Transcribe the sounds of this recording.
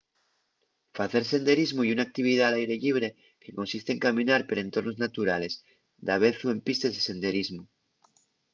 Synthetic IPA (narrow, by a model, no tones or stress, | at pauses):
faθe̞ɾse̞nd̪e̞ɾizmuiunak̚t̪iβ̞iðalajɾe̞ʎiβ̞ɾe̞ | ke̞ko̞nsist̪eŋkamĩnaɾpeɾe̞nt̪o̞ɾno̞znat̪uɾale̞s | d̪aβ̞e̞θue̞mpist̪ezðese̞nd̪e̞ɾizmu